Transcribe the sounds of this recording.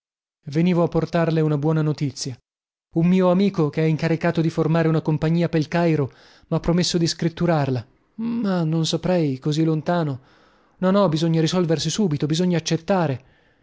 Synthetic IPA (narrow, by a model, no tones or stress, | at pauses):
veniːvoapːort̪arleunabwɔːnanot̪it̪sːja | umːiːoamiːkokeɛiŋkaɾikaːt̪od̪iformaːɾeunakompaɲːiːapelkajɾo | mapːɾomesːod̪iskɾit̪ːuɾarla | manːonsapɾɛjkozilont̪aːno | nɔnɔbizoɲːaɾisɔlversisuːbit̪obizoɲːaːt͡ʃːet̪ːaːɾe